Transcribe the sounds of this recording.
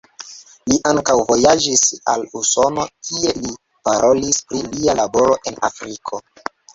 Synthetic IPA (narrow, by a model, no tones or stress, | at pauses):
liʔaŋkawvo̞jad͡ʒisa̰luso̞no̞kʰie̞li | paɾʔo̞lispɾilialabo̞ɾo̞ʔe̞na̰fɾikʰo̞